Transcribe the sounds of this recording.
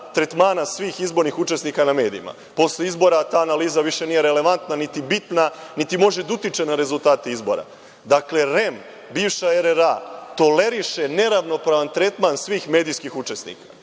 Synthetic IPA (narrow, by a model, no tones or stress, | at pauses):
t̪ɾet̪maːnasʋiːxizbo̞ɾnixut͡ʃe̞snikaname̞ːd̪ḭima̰ | po̞sʎeizbo̞ɾat̪aːnaliːzaʋiʃe̞nije̞ɾe̞le̞ʋant̪nanit̪ibit̪nanit̪imo̞ʒe̞d̪ut̪it͡ʃe̞naɾe̞zulˠt̪aːt̪iizbo̞̰ɾa̰ | d̪akle̞ɾe̞m | biːʋʃaeɾeɾat̪o̞le̞ɾiʃe̞ne̞ɾaʋno̞pɾaʋant̪ɾe̞t̪mansʋiːxme̞ːd̪ijskixut͡ʃesnḭːkḁ